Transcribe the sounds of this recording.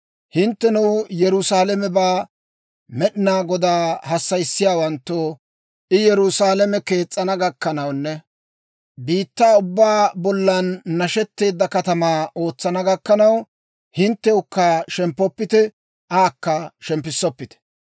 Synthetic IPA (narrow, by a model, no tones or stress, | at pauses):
hɪnt̪ːɛnuwjɛɾʊsaːlɛmɛbaː | mɛɗɪnaːɡɔd̪aːhɐsːɐjsːɪjaːwɐnt̪ːoː | ʔɪjɛɾʊsaːlɛmɛke̞ːt͡sʼːɐnɐɡɐkːɐnɐwnːɛ | biːt̪ːaːʊbːaːbɔlːɐnːɐʃɛt̪ːe̞ːd̪ːɐkɐt̪ɐmaːo̞ːt͡sːɐnɐɡɐkːɐnɐw | hɪnt̪ːɛʊkːaʃɛmpːɔpːɪt̪ɛ | ʔaːkːɐʃɛmpːɪsːɔpːɪt̪ɛ̥